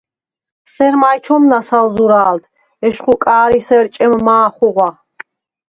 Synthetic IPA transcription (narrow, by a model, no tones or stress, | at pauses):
sɛɾmajt͡ʃʰɔmnasalzuɾaːld̪ʰ | ɛʃχukʼaːɾisɛɾt͡ʃʼɛmmaːχuʁwa